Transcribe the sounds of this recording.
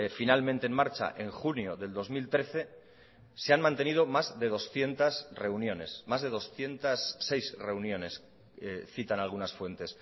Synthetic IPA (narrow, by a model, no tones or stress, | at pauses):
finalmẽnt̪enmaɾt͡ʃa̰ʔe̞ŋxunjo̞ðe̞ld̪o̞zmilt̪ɾe̞θe̞ | se̞anmãnt̪e̞nið̞o̞mazðe̞ð̞o̞sθje̞nt̪asre̞unjo̞ne̞̰smazðe̞ðo̞sθje̞nt̪asːe̞jsre̞unjõ̞ne̞s | eθit̪analɣ̞unasfwe̞nt̪e̞s